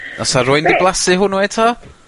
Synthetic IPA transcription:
nɔsaɾʊɨndɪblˠasɨɦʊnwetʰɔ

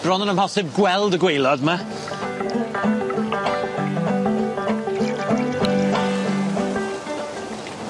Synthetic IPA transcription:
b̥rɔnənəmhɔsɪb̚ɡwɛlˠdəɡwejlˠɔdma

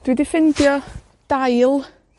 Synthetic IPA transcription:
d̥widɪfɪndjɔ | d̥ajlˠ

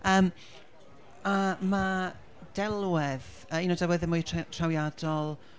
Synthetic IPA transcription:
əːm | ama | d̥ɛlˠwɛð | əinowdɛlwɛðɛmʊjtʰrawjadɔlˠ

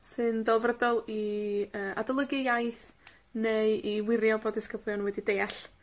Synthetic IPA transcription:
sɨndɛlˠvrədɔlˠiəːʔadɔlˠəɡɨjajθ | neɨiwɪɾjɔboːdɪskəblˠjɔnwɛdideːaɬ

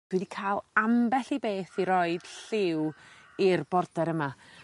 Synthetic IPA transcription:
d̥wɛdikʰaːlˠambɛɬibeːθiɾɔɨd̥ɬɪw | irbɔrdɛɾəma

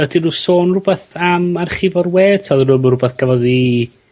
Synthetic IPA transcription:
ɛdirusoːnrʊbɛθamarχɪvɔrweːtʰalˠrʊmrʊbɛθɡ̥avɔði

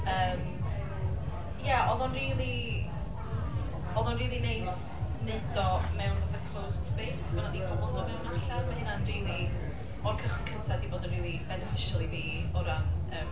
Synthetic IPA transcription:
əːm | jaʔɔðˠɔnriːlˠi | ɔðˠɔnriːlˠineɨs | nɛdɔmɛwnvaθakʰl̥ˠowsd̥speːsvɛnadibɔbɔlˠdɔvɛwnəɬanvɛhɪnanriːlˠi | ɔrkʰəχwkʰəntʰadiboːdənriːlˠibɛnɛfɪʃalˠiviːɔɾanəːm

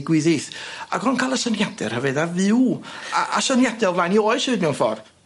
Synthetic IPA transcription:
ɡwɨðiθa̰ɡɔnkʰajlˠəsənjadɛ̰rhəvɨðavɪwaʔasɔnjadɛlˠvlaːjniɔɨʃɨːdnɛwnfɔ̰r

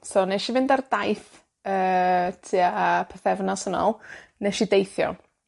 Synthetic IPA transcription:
sowneʃivɪndardajθ | əːtʰiːapʰɛθɛvnɔsənɔ̰lˠnɛʃidejθjɔ̰

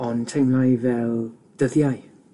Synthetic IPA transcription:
ɔntʰejmlajvɛlˠ | d̥əðjaj

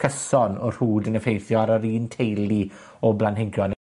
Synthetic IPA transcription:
kʰəsɔnɔr̥huːdənəfejθjɔaɾəɾiːntʰejlˠiɔblˠanɦɪɡjɔn

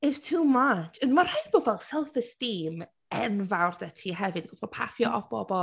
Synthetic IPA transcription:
ɪtstʰuːmat͡ʃənmar̥ajdb̥ɔːvɛlˠsɛlˠfəstiːm | ɛnvawrdɛtʰiɦɛvɨd̥ɡʊfɔpʰafjɔʔɔfb̥ɔbɔ

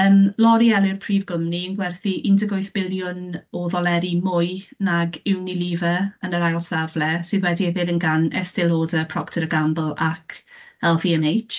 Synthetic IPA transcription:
əmlˠɔɾiɛlˠɪrpʰriːvɡʊmniənɡwɛrθiʔɪndʰəɡojθb̥ɪlˠjʊnɔðɔlˠɛɾimʊjnaɡɪwniliːvəənəɾajlˠsavlɛsɨðwɛdiɛvɪdənɡanɛ̰stɪlˠoːdəpʰr̥ɔktʰəɾəɡambəlˠakʰɛlˠfiɛmejt͡ʃ

